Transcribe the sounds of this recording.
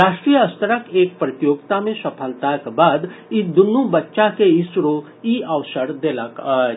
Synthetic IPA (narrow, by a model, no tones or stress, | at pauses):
ɾaːʃʈɾijəəst̪əɾəkeːk̚pɾət̪joːɡt̪amẽsɐpʰəlt̪akbaːd̪id̪ʊnːubətːʃakeɪsɾo | iəʋsəɾd̪eːlak